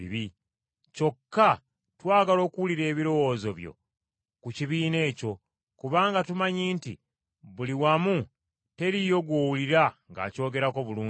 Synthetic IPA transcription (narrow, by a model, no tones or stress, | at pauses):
ḭβi | co̞kːa | twaːɡalo̞ːkuwuliɾe̞ːβiɾo̞wo̞ːzo̞βjo̞̰ | kuciβiːne̞ːco̞ | kuβaːŋɡatumaɲiːntḭ | βuliwamu | te̞ɾijo̞ɡwoːwuliɾaŋɡa̰ːco̞ːɡe̞ɾako̞βuluː